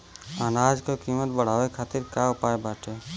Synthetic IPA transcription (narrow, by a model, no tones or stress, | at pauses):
aːnaːd͡ʒkokiːmət̪bəɽ̤aːwekʰaːt̪ɪɾkaʊpaːebaːʈeː